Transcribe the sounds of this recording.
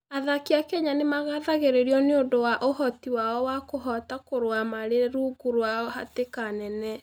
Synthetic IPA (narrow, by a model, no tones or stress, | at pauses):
aðakiakɛɲanemaɣaðaɣeɾeɾiɔneondowaʔohɔtiwaɔwakoɦɔtakoɾwamaɾeɾuɡuɾwaɔha̰tekanɛnɛ